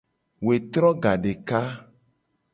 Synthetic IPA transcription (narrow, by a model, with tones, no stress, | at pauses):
we˨t̪ɾɔ˦ɡa˨ɖe˨ka˦